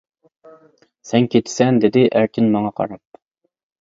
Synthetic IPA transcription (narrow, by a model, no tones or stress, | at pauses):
sɛŋkʲʰet̪ʰɪ̥sɛnd̪ɪd̪ɪʔæɾkʲʰɪnmɑŋɑqʰɑ̰ɾɑp̚